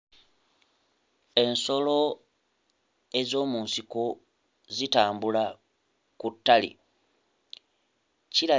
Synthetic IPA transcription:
e̞nso̞lo̞ | e̞zo̞ːmuːnsiko | zitaːmbula | kutːalḭ | cila

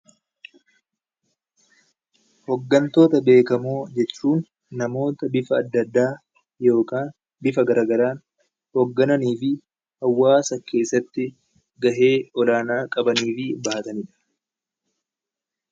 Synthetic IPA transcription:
hɔɡːɐnt̪o̞ːt̪ɐbe̞ːkɐmoːd͡ʒɛt͡ʃːuːnː | ɐmo̞ːt̪ɐbɪfɐːd̪ːɐd̪ːaː | jo̞ːkaːn | bɪfɐɡɐɾaːɡɐɾaːn | hɔɡːɐnɐniːfɪ | hɐwːaːsɐkʰe̞ːsːɐt̪ːɪ | ɡɐɦe̞ːɔlaːnaːkʼɐbɐniːfɪbɐʔɐt̪ɐnɪᶑɐ̥

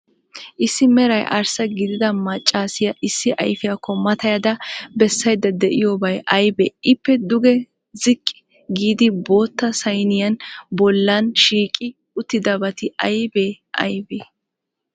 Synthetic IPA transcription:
ʔɪsːɪmɛɾɐjʔɐ̰ɾsɐɡɪd̪ɪd̪ɐmɐt͡ʃʼːaːsɪjɐʔɪsːɪʔɐ̰jfɪjɐkːɔmɐt̪ɐjɐd̪ɐbɛsːɐjd̪ɐd̪ɛʔɪjoːbɐjɐjbeːɪpːɛd̪ʊɡɛ | zɪkʼːɪ̥ | ɡiːd̪ɪbo̞ːt̪ːɐsɐjnɪjɐnbɔlːɐnʃiːkʼɪ | ʊt̪ːɪd̪ɐbɐt̪ɪʔɐjbeː | ʔɐ̰jbeː

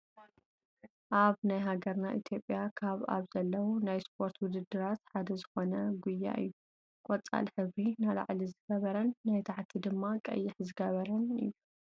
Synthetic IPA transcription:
ʔaβnajɦaɡɐɾnaʔit̪ʰjo̞pʼːjakʰaβa̰βzɐlːɐwunajspʰo̞ɾt̪ʰwʊd̪ɨd̪ːɨɾat̪ħad̪ɐzɨxo̞nɐɡujːa̰ʔɨ̰jːu | kʼɔt͡sʼa̰lħɨβɾinala̰ʕlizɨɡ̥ɐβɐɾɐnːajt̪ʰaʕt̪ʰid̪ɨmːakʼɐ̰jːɪħzɨɡɐβɐɾɐnɨ̰jːu

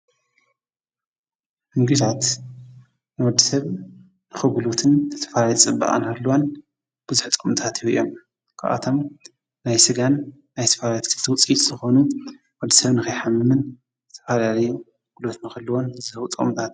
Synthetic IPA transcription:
ʔɨŋɡɨʃat̪ | nɨwɔd̪ːisɐβ | nɨxɨɡulut̪ʰɨnzɨt̪ʰɐ̥falaljit͡sʼɨba̰ʔʼa̰nhɐlːwon | b̥ɨzuħt͡s̪ʼomt̪ʰat̪ʰijuijo̞̰m | kʰa̰ʔa̰t̪ʰo̞m | najsɨɡanː | ajt̪ʰɐ̥falaljt̪kʰɨt̪ʰɨwʊt͡sʼit̪zɨxo̞nu | wɐd̪ːisɐβnɨxɨjħamːɨmɨn | zɨt̪ʰɐ̥falalɐju | ɡ̥ulot̪nɨxɨlːɐwo̞nzɨɨwt͡s̪ʼo̰mt̪ʰat̪

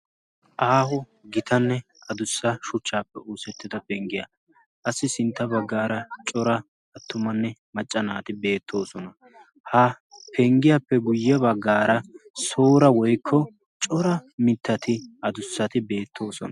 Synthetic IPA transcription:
ʔaːhʊ | ɡɪt̪ɐnːɛ | ɐd̪ʊsːɐʃʊt͡ʃːaːpːɛuːsɛt̪ːɪd̪ɐpɛŋɡɪja̰ | ʔɐsːɪsɪnt̪ːɐbɐɡːaːɾɐt͡ʃʼɔɾɐ | ɐt̪ːʊmɐnːɛmɐt͡ʃʼːɐnaːt̪ɪbe̞ːt̪ʰːo̞ːsɔnɐ | hɐ | pʰɛŋɡɪjapːɛɡʊjːɛβɐɡːaːɾɐso̞ːɾɐwɔjkʰːɔ | t͡ʃʼɔɾɐmɪt̪ʰːɐt̪ʰɪʔɐd̪ʊsːɐt̪ɪbe̞ːt̪ʰːo̞ːsɔ̰nɐ

